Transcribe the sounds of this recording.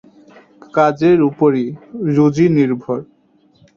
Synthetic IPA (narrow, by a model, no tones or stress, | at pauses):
kad͡ʑeɾupoɾiɾod͡ʑiniɾbʱoɾ